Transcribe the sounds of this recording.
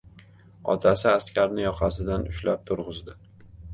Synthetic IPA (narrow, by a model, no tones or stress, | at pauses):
ɒ̰t̪ʰasɪast̪kʲʰaɾnɪjɒqʰɑsɪd̪anʊʃlap̚t̪ʰʊɾʁɨzd̪ɪ